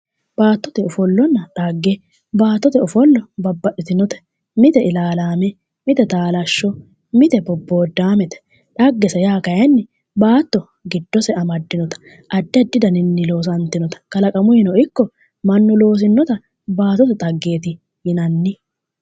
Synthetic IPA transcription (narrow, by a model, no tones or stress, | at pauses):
b̥aːt̪ːɔt̪ɛɔfɔlːɔnːɐᶑɐɡːe | baːt̪ːɔt̪ɛɔfɔlːɔbɐbːɐʔɪt̪ɪnɔt̪ɛ̥ | mɪt̪ɛɪlaːlaːmɛ | mɪt̪ɛt̪aːlɐʃːɔ | mɪt̪ɛbɔbːoːd̪ːaːmɛt̪ɛ̥ | ᶑɐɡːɛsɐjaːkɐjɐnːɪ | baːt̪ːɔ | ɡɪd̪ːɔsɛɐmɐd̪ːɪnɔt̪ɐ̥ | ʔɐd̪ːɛd̪ːɪd̪ɐnɪnːɪlo̞ːs̬ɐnt̪ːɪnɔt̪ɐ̥kɐlɐkʼɐmʊjɪnɔɪkːɔ | mɐnːɔlo̞ːs̬ɪnːɔt̪ɐ | baːt̪ːɔt̪ɛt̪ʼɐɡːe̞ːt̪ɪ | jɪnɐnːɪ